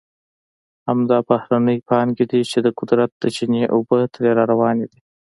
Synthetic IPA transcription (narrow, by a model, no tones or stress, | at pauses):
hamd̪ɑbahɾanəjpɑnked̪it͡ʃed̪əqʊd̪ɾat̪̚d̪̥ət͡ʃineʔobət̪ʰəɾeɾɑɾawɑned̪i